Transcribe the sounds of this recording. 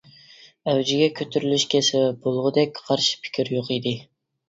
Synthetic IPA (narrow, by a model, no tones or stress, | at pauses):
ɛwd͡ʒɪɡʲɛkʲʰøt̪ʰyɾylyʃkʲʰesɪbolˠʁʊd̪ɛk̚ʲqʰɑɾʃi̥pʰɪ̥kʲʰiɾjoqid̪ɪ